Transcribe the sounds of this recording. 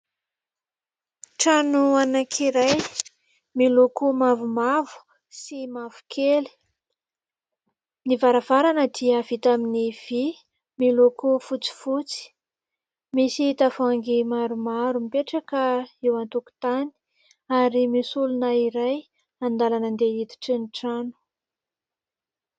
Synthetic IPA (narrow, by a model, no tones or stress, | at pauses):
ʈ͡ʂanuanakʰiɾaj | milukumavumavu̥ | simavu̥kʰeli̥ | nivaɾav̥aɾanəd̪iav̥it̪aminiv̥i | milokufut͡si̥fut͡si̥ | misit̪afaŋɡimaɾumaɾumipeʈ͡ʂakəewant̪uku̥t̪ani̥ | aɾimisulunəiɾaj | and̪alanənd̪eit̪i̥ʈ͡ʂiniʈ͡ʂanu̥